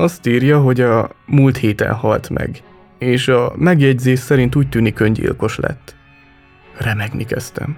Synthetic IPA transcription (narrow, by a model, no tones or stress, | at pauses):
ɒst̪iːrjɒɦo̞ɟɒmuːlt̪heːt̪ɛ̰nhɒlt̪mɛ̰ɡ | eːʃɒmɛɡjɛɟzeːʃsɛɾint̪uːc̚t̪yːnikø̞ɲɟḭːlko̞ʃlɛ̰t̪ː | rɛmɛɡnikɛst̪ɛ̰m